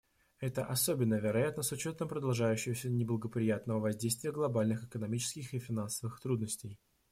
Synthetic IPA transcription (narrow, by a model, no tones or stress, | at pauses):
ɛt̪əʔɐso̞bʲɪnːəvʲɪɾɐjat̪nəsʊt͡ɕo̞t̪əmpɾəd̪ɐlˠʐajʉɕːɪvəsʲənʲɪblˠəɡəpɾʲɪjat̪nəvəvɐzʲdʲejst̪vʲɪjəɡlˠɐbalʲnɨxɨkənɐmʲit͡ɕɪ̥skʲɪxɨfʲɪnansəvɨxt̪ɾud̪nəsʲtʲɪj